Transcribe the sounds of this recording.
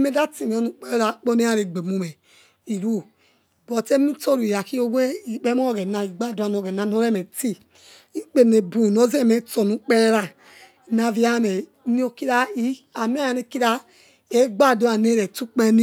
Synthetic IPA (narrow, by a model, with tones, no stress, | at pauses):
me˦da˦ti˨m˨o˦nu˦k͡pe˦e˦ɾa˨k͡po˦ne˦a˦ɾe˨ɡ͡be˨mu˨me˨ | i˨ɾu˦˨ | bo˨te˦m˦i˦to˦˨ɾu˨i˨ja˨ki˦o˦we˦i˨k͡pe˦mo˦o˦˨ɡe˨na˨i˨ɡ͡ba˦˨do˨˦a˨no˨ɡe˨na˨n˦o˦ɾe˦me˨ti˦ | i˦k͡pe˨ne˨bu˨no˨˦ze˦˨me˦to˨nu˨˦k͡pe˦ɾɾa˨ | na˨vi˦a˦˨me˨˦ | ni˦o˦ki˦ɾa˦i˦a˨mi˦a˦ja˨ne˨ki˦ɾa˦ | e˦ɡ͡ba˦˨do˨˦a˨ne˦ɾe˨tu˦k͡pe˦ni˦